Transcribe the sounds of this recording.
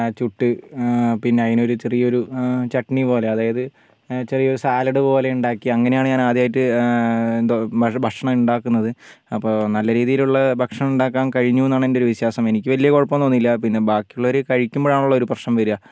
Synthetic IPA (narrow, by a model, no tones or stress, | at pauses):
t͡ɕuʈːɨpinːeɐðinoɾut͡ɕerijɐo̞ɾut͡ɕɐʈːɐɳipo̞ːle̞ɐðaːjɐðɨ | t͡ɕerijɐo̞ɾusaːlɐɽɨpo̞ːle̞uɳɖaːkːiɐŋːɐnejaːɳɨɲaːnaːd̪jaːjitːɨ | bʱɐkʂɐɳɐuɳɖaːkːunːɐðɨ | ɐpːo̞ːnɐlːɐɾiːðijiluɭːɐbʱɐkʂɐɳɐmuɳɖaːkːaːnkɐɻiɲːuenːaːɳendeo̞ɾuʋiɕjaːsɐme̞nikʲːɨʋɐlijɐkoɻɐpːɐmt̪oːnːilːɐpinːe̞bʱaːkːijuɭːɐoɾukɐɻikʲːumboːaːɳuɭːɐoɾuprɐʂɐmʋɐɾujɐ